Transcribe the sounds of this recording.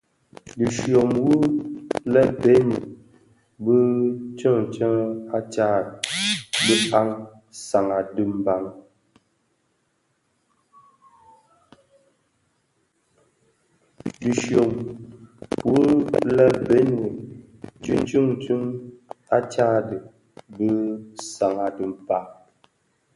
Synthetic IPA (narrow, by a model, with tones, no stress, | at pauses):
di˨ʃjo˨mwu˦lɛ˦be˦ni˨ | bɨ˦t͡ʃə˦˨t͡ʃə˦a˦t͡ʃa˦˨bə˦pa˦ŋ | sa˨ŋa˨dɨ˦m˦ba˨ŋ | di˨ʃo˨ŋ | pu˦la˦be˦nɨ˨ | t͡ʃɨ̰˦ŋ˦t͡ʃɨ˦ŋ˨t͡ʃu˦ŋa˦t͡ʃa˦dɨ˨ | bɨ˦sa˨ŋa˨dɨ˨m˨pa˦